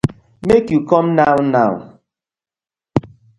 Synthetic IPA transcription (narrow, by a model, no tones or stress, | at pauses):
mekjukɔmnaʊna̰ʊ